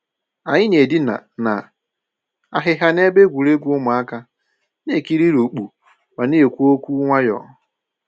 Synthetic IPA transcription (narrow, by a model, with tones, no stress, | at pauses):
a˨ɲɪ˦ne˨di˦na˨na̰˨ | a˨ɦɪ˨ɦa˦n˦e˦be˦ɡʷu˨ɾe˦ɡʷu˦ʊ˦mʊ˨a˦ka˦ | ne˦˨ki˦ɾi˦ɾo˨k͡pu˨ | wa˨ne˦e˨kʷu˦o˦kʷu˦ŋʷa˦jɔ̰˨